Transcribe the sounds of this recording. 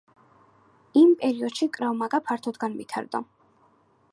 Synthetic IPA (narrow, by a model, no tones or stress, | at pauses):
impʼɛɾiɔd̪̥ʃikʼɾavmaɡʼapʰaɾt̪ʰɔd̪ɡanmḭt̪ʰa̰ɾd̪ɔ̰